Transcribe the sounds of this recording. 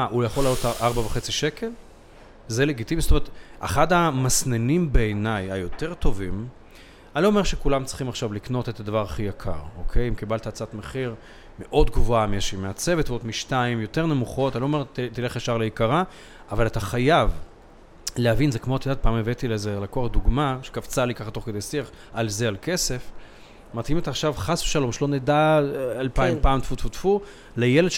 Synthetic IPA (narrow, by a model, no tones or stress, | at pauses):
aʔujaχolaːlotʔaʁbaveχet͡siʃe̞kʰe̞l | zele̞ɡit̪ivizsotomeet̪a̰χadamasnenimbeːnajhajo̞te̞ʁt̪o̞vim | anloːme̞ʁʃekulamt͡si̥χimaχʃavlikno̞t̪et̪ad̪avaʁaχijakʰa̰ʁo̞kʰe̞jimkibalt̪at͡satmeχiʁ | meʔo̞dɡvoamiaʃimeat͡se̞vetveodmiʃtaimjo̞t̪e̞ʁne̞muχo̞tanloːmeʁtt̪ile̞χjaʃaʁleikaʁa | avalat̪aχajav | lehavinze̞kmot̪idat̪̚paːmevet̪ilezelakoaχd̪uɡmaʃe̥kavt͡salikaχatoχked̪ejsiaχ | alzealke̞se̞f | mat̪himet̪aχʃavχasveʃalo̞mʃelo̞ned̪aalpaimpaːmt̪fut̪fut̪fu | lejeldʃ